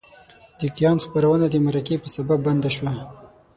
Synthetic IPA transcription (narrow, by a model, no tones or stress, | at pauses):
d̪̥ikjɑnxpəɾawənad̪əmaɾakepəsababːand̪aʃwa